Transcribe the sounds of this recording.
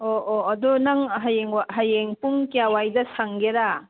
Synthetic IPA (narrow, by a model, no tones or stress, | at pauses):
oʔoɐdunɐŋɦɐjeŋwaɦɐjeŋpuŋkijawajdɐsaŋɡeɾa